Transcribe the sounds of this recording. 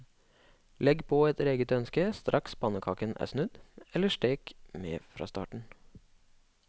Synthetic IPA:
lɛɡpʰoːɛt̪ɾeːɡət̪œnskəst̪ɾʔɑkspɑnəkʰɑːkənʔæ̰ːsnʉd̪ɛləʂʈeːkmḛːfɾɑ̰ːst̪ɑ̰ːʈɳ̩

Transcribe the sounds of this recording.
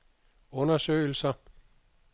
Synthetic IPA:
ɔ̽nɐsø̰ːɪl̩sɐ

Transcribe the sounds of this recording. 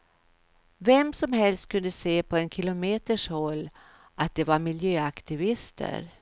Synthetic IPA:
vɛmsɔmɦɛlst̪̚kʰɵnd̪əseːpʰɔɛnkʰɪlʊmeːt̪əʂhɔlː | ʔat̪̚d̪ɛvaɾmɪljøːakt̪ɪvɪst̪ʰə̰ɾ

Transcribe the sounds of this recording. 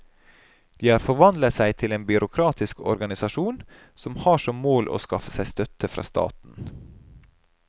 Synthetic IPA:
d̪̥iːhɑːɾfɔɾʋɑnd̪lət̪sæɪt̪ʰɪleːnbʏɾʔʊkʰɾɑːt̪ʰɪskɔ̰ɾɡɑnɪsɑʃuːn | sɔmhɑːʂɔmmoːlʔo̰ːskɑfə̥sæɪst̪œt̪ʰəfɾɑ̰ːst̪ɑ̰ːt̪n̩

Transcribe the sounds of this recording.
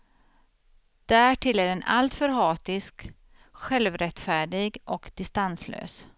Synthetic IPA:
d̪̥æʈʰɪlːæɖɛna̰lt̪fœɾɦɑːt̪ɪsk | ɧɛlvɾɛt̪fæːɖɪɡʔɔkd̪̥ɪst̪anslø̰ːs

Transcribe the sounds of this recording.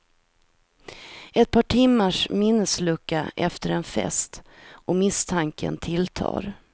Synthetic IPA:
ɛt̪̚pʰɑːʈʰɪmːaʂmɪnːəslɵkːa̰ʔɛft̪əɾɛnfɛ̰st̪ʔɔmɪst̪ʰaŋkə̰nt̪ʰɪlt̪ʰɑ̰ːɾ

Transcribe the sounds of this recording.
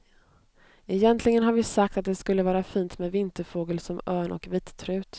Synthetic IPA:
ɛjɛnt̪ʰlɪɡənɦaɾvɪsak̚t̪at̪̚d̪ɛskɵlːəvɑːɾafiːnt̪mɛːd̪vɪnt̪əɾfoːɡəlsɔmœːɳʔɔ̰kviːt̪t̪ʰɾʉ̟ːt̪

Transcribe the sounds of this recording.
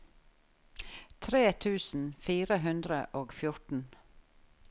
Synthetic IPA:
t̪ʰɾeːt̪ʰʉːsn̩fiːɾəɦʉnd̪ɾəʔoːɡfjʊʈn̩

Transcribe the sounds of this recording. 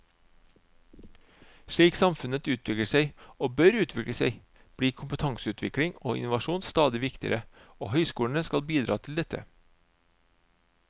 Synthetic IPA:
ʃɭiːksɑmfʉnət̪ʉːt̪ʰʋɪkɽəsæɪoːbœɾʉːt̪ʰʋɪkɽəsæɪ | b̥ɽiːkʰʊmpət̪ʰɑŋsəʉːt̪ʰʋɪkɽɪŋo̰ːʔɪ̰nʊʋɑʃuːnst̪ɑːd̪ɪʋɪkt̪ɪə̰ɾəoːhœʏskuːlɳ̩əskɑlbiːd̪ɾɑːt̪ʰɪl̩d̪ɛt̪ə̰

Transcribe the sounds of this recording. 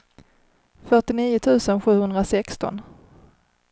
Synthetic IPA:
fœʈɪniːʊt̪ʰʉ̟ːsənɧʉ̟ːhɵnd̪ɾasɛkst̪ɔ̰n

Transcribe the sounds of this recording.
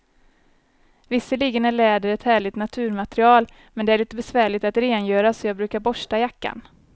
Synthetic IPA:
vɪsːəliːɡənæɭɛːd̪əɾɛt̪hæːɭɪt̪nat̪ʰʉ̟ːɾmat̪ɾɪɑːl | mɛnd̪ɛæɾɭiːt̪əbɛsvæːɭɪt̪at̪ɾeːnjœːɾasɔjɑːɡ̚bɾʉ̟ːkaɾbɔʂʈajakːa̰n

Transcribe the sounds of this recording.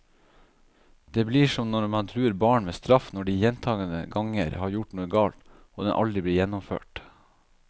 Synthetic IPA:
d̪̥eːbliːʂɔmnɔɾmɑnt̪ʰɾʉːəɾbɑːɳmeːst̪ɾɑfnɔɖiːjɛnt̪ʰɑːɡənə̰ɡɑŋə̰ɾhɑːɾjʊʈnuːəɡɑːlt̪ | oːd̪ɛnʔɑ̰ld̪ɾɪbliːjɛnːɔmfø̰ːʈ

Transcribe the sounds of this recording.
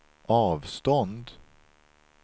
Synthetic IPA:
ʔɑːvst̪ɔnd̪

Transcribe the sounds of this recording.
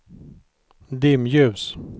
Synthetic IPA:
d̪ɪmjʉs

